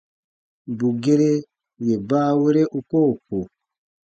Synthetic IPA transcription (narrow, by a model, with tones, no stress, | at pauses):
bu˨ɡe˦ɾe˦ | je˨baː˦we˦ɾe˦ʔu˦koː˦˨po˨